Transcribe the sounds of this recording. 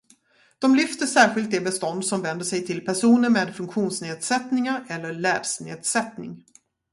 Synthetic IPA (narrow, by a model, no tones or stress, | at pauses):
d̪̥ɔmlʏft̪əʂæːɾɧɪlt̪̚d̪ɛbɛst̪ɔnd̪sɔmvɛnd̪əʂɛjt̪ʰɪlpʰæʂuːnəɾmeːd̪fɵŋkɧuːnsneːd̪sɛt̪nɪŋaɾɛlːəɭɛːd̪snḛːd̪sɛt̪nɪ̰ŋ